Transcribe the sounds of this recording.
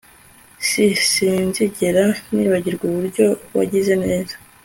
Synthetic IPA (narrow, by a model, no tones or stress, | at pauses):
sisiːnziɟeɾaniːβaɟiɾɡuβuɾɟo̞wa̰ɟize̞ne̞ːzḁ